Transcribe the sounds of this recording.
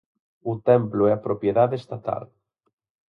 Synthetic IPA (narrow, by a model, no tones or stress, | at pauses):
ʊt̪ɛmplʊɛɐpɾopjeðaðeest̪at̪a̰l